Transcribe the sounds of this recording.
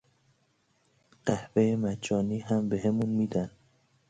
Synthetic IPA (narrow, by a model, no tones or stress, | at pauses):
ɢ̥æhvejemæd͡ʒɒːniːɦæmbeɦemunmiːd̪æn